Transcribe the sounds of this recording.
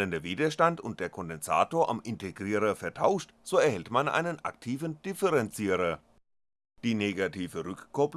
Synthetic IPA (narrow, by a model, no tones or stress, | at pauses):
əndɐviːdɐʃtantʊnt̚d̥eːɐkʰɔndɛnza̰ːtoːɐʔa̰mʔɪntʰeɡʁiːʁɐfɛɐtʰaʊʃtz̥oːɛɐhɛltmanʔa̰ɪnənʔa̰ktʰiːvənd̥ɪfɛʁɛnt͡siːʁɐ | d̥iːneːɡatʰiːvəʁʏkkːɔp